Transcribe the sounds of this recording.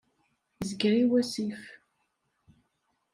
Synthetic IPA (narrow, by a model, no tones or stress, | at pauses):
zəɡɾiwæsif